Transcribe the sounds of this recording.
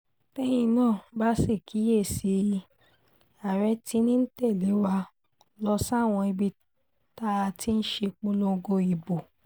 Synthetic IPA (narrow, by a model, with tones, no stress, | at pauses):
tɛ˦j̃ĩ˧nãː˦˨˦ba˦se˦˨kʰi˨˦je˦˨si˧ | a˨ɾɛ˨˦ti˦nĩ˦n̩˦tɛ˦˨le˨˦wa˧˦ | lɔ˧sa˦˨w̃ɔ̃˧i˧bi˧ | ta˦˧ti˦n̩˦ʃe˧k͡põ˦lo˧ɡo˧i˨bo˨